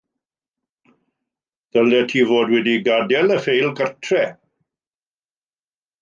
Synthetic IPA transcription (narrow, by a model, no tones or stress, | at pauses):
d̥əldɛtʰiːvoːdwɛdiɡadɛləfejlˠɡərtʰrɛ